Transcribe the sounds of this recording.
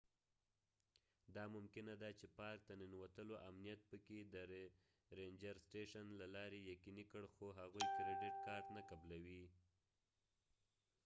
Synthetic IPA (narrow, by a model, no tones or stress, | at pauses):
d̪ɑmʊmkɪnad̪at͡ʃepɑɾk̚t̪aninwat̪əloʔamnijat̪̚pəked̪ə | ɾend͡ʒaɾsʈeʃanlalɑɾejakinikəɽxoɦaɣujkɾɪɖɪʈkɑɾʈnakablawi